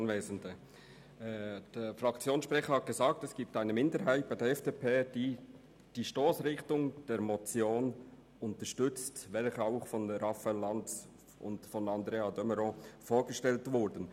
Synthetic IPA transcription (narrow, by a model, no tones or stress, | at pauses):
nveːzəndə | d̥eːfɾɑkt͡sjoːnsʃpʁɛxəhɑt̚ɡ̥əzaːk̚tɛsɡ̥iːp̚taɪnəmɪndəɾɦaɪt̚b̥aɪdɛɾɛfd̥eːpʰeːd̥iː | d̥iːʃtoːsɾɪχtʊŋd̥eːɾmɔt͡sjoːn | ʊntəʃtʏt͡stvɛlçəaʊxfɔnɾɑfalːɑnt͡s | ʔʊ̰ndfɔnɑndɾeːadœməɾofoːɹɡ̥əʃtɛltvʊɾdən̩